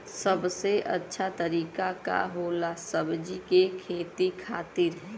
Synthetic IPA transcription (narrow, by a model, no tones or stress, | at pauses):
səbseʔə̰tːʃʰat̪əɾiːkaka̰ɦoːlasəbd͡ʒikekʰeːt̪ikʰaːt̪ɪɾɦɛ̃